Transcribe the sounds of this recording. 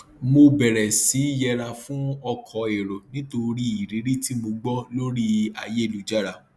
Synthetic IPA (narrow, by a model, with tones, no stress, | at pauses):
mo˧bɛ˨ɾɛ˨si˨˦jɛ˧ɾa˧fũ˦ɔ˧kʰɔ˨˦e˨ɾo˨nĩ˦to˧ɾi˦i˨ɾi˨˦ɾi˦ti˦mo˧ɡ͡bɔ˦lo˦ɾi˦a̰˧je˦˨lu˨˦d͡ʒa˦˨ɾa˦˨